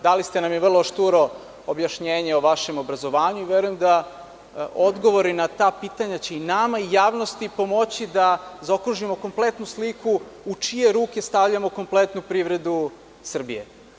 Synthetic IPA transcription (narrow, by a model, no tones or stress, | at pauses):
d̪alist̪e̞namjeʋr̩lˠoʃt̪uɾo̞ | objaʃɲeːɲeoʋaʃe̞mo̞bɾazo̞ʋaːɲuiʋeɾujemd̪a | o̞d̪ɡo̞ʋo̞ɾinat̪aːpiːt̪aɲat͡ɕe̞inamaijaːʋno̞st̪ipo̞mo̞t͡ɕid̪azaokɾuʒimo̞ko̞mplet̪nuslikʰuut͡ʂije̞ɾuːke̞st̪aʋʎamoko̞mplˠet̪nupɾiʋɾe̞d̪u | sr̩bijḛ